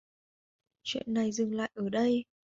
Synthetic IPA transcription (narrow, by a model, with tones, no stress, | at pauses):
t͡ɕwḭ˧˨ənːa˨˩jzɨ˨˩ŋla̰ː˧˨jʔəː˧˩ɗə˧j